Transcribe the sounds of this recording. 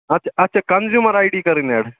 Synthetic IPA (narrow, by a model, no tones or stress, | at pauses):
ɐt̚t͡ɕʰaɐtːt͡ɕʰakɐnzjuməɾajɖiːkəɾinɛɽ